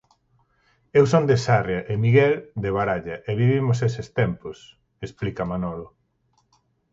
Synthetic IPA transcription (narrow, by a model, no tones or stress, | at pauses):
ewsond̪esarjaʔemiɣɛld̪eβaɾaʎɐʔeβiβimʊs̬esest̪ɛmpʊs | esplikɐmanɔlo